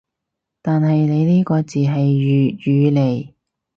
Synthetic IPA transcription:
t̪aː˨nɦɐ˨jne˨˧jniː˥kɔː˧t͡siː˨˩ɦɐ˨jːjyː˨˧le˨˧j

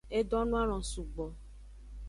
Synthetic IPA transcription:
e˦ɖɔ̃˦nũ˦a˦l̃ɔ̃˨su˨ɡ͡bɔ˨

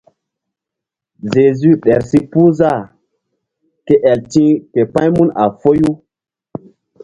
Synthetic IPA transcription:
ʒe˨zy˦ɗɛ˨ɾsi˦pu˦za˦˨ | ke˦ʔɛ˨ltĩ˦ke˨pã˦jmu˦na̰˨fo˦ju˦

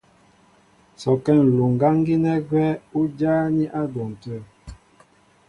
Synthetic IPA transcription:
sɔ˨kɛ˦˨n̩˨lu˨ŋ̩˨ɡa˦ŋ˦ɡi˦nɛ˦ɡwɛ˦u˦d͡ʒaː˦ni˦ʔa˦dɔ˨n̩˨tə˦˨

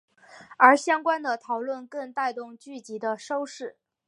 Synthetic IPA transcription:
ə˞˧˥ɕjɑ˥ŋkwa˥nd̪ə˨t̪ʰɑ˨˩ʊlwə˥˧nkə˥˧ŋt̪a˥˧ɪt̪ʊ˥˧ŋt͡ɕy˥˩t͡ɕi˧˥d̪ə˧ʂo˥ʊʂɻ̩˥˩

